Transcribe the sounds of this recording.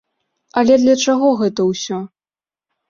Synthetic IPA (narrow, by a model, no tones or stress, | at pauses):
ɐlʲɛd̪lʲɐt͡ʂaɣɔɣɛt̪ɐwsʲɔ